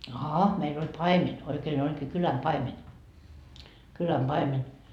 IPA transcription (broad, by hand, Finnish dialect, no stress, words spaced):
ɑhɑ meil olʲ pɑimenʲ oikeːn olʲkiː kylæm pɑimenʲ kylæm pɑimenʲ